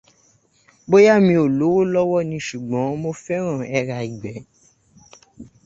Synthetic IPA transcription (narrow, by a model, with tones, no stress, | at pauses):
bo˦ja˦mĩ˧o˨lo˨˦wo˦lɔ˦wɔ˦˨nĩ˧ʃu˨ɡ͡bɔ̃˨˦mo˦fɛ˦ɾ̃ɔ̃˦˨ɛ˧ɾa˧i˨ɡ͡bɛ˨˦